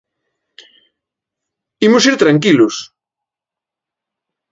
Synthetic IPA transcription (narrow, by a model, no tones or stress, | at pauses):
imʊsiɾt̪ɾaŋkilʊs